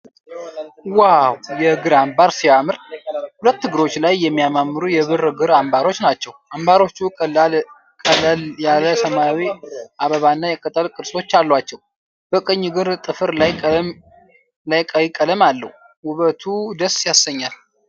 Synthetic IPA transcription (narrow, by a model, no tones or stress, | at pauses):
wawjɛɡɨɾambaɾsiamɨɾhulət̪ːɨɡɨɾo̞t͡ʃːlajːɛmːijamamːɨɾujɛβɨɾɡɨɾambaɾo̞t͡ʃːnat͡ʃːɛwʔambaɾo̞t͡ʃːukʼ | kʼəlljaləsəmawiʔaβəβanːajɛkʰʼət̪ʼːəlkʼɨd̪sot͡ʃːalːwat͡ʃːɛw | b̥əkʼɨɲːɡɨɾt̪ʼɨfɨɾla | lajkʼəjɪkʼːələmalːə̰hu | wʊβət̪ʰud̪əsjasːəɲːal